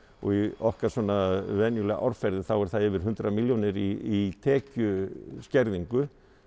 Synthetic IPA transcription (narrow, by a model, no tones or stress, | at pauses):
ɔ̰ɣiɔhkaɾ̥sɔːnaðvɛnjʏlɛɣaʔa̰ɾfɛɾðɪθawɛɾ̥θaðɛvɪɾ̥ɦʏnt̪ɾamiljonɪɾiit̪ʰɛːcʏscɛɾðiŋkʏ